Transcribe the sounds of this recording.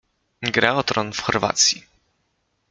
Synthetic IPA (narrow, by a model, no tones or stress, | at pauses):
ɡɾɛɔt̪ɾɔnfxɔɾva̰t̪sʲji